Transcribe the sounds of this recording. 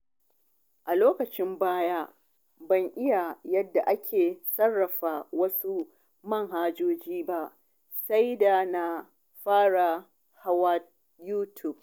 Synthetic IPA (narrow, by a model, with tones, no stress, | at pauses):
ʔa˨loː˦kɐ˨t͡ʃɪ˦mbaː˦jaː˦ | bɐ˦˨ŋʔɪ˦ja˨jɐ˦dːa˨ʔa˦kʲʰeː˨sɐ˦rːɐ˨ɸaː˨wɐ˦su˦ | mɐ˦˨ŋɦaː˦d͡ʒoː˦d͡ʒiː˦ba˦ʔ | sa˦jda˨na˨ | ɸaː˦ɽa˨ | ha˦wa˦t̚ | juː˦tʰu˨b̚